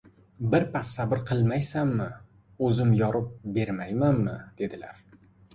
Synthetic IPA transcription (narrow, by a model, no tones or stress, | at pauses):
bɪɾpasːabɪɾqʰɨlˠmajsamːɪ | ɵzɪmjɒɾɪp̚be̞ɾmajmanmɪd̪̥e̞d̪ɪla̰ɾ